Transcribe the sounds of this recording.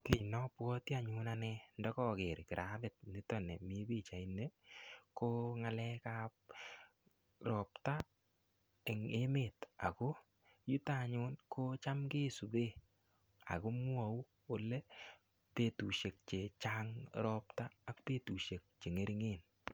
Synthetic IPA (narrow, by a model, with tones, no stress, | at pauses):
ke˦˨nɔ˦pwɔ˦ti˦a˨ɲʊ˦na˦nɛ˦ndɔ˦kɔ˦˨kɪ˨ɾkɪ˨ɾʔa˦bɪ˨t̚nɪ˦tɔ˦˨nɛ˨mi˦bi˦˨t͡ʃa˨i˨nːe˦ko˦ŋa˦lɛ˦ka˦p̚ | ɾɔ˨pta˦ | e˨ŋe˦me˨ta̰˨ko˦ | ju˦ta˦˨ɲʊ˦nko˦t͡ʃa˦mke˦su˨be˦˨ | a̰˨ko˦mʊ˦a˨u˦ | o˦le˦ | pe˦˨tu˨ʃe˨k̚t͡ʃe˨t͡ʃa˦ŋɾɔ˦ptaː˦k̚pe˦tu˨ʃe˨k̚t͡ʃe˨ŋe˦ɾi˦ŋe˦n